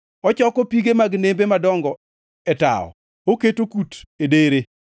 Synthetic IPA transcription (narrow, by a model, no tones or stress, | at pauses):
ɔt͡ʃɔkɔpiɡemaɡnembemadɔŋɡɔ | ɛta̰ɔ̰ | oketokutedeɾe